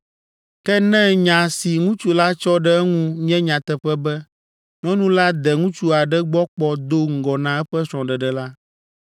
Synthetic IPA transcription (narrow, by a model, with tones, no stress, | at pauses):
kɛ˦nɛ̃˦ɲã˨si˨ŋũ˦t͡ʃu˦la˦t͡ʃɔ˦ɖɛ˦ɛ˦ŋũ˦ɲĩ˦ɛ̃˦ɲã˨t̪ɛ˨ɸɛ˦bɛ˦ | ɲɔ̃˦nũ˦la˦d̪ɛ˨ŋũ˦t͡ʃu˦a˨ɖɛ˦ɡ͡bɔ˦k͡pɔ˦d̪o˦ŋ̩˨ɡɔ˨nã˨ɛ˦ɸɛ˦sɾɔ̃˨ɖɛ˨ɖɛ˨la˦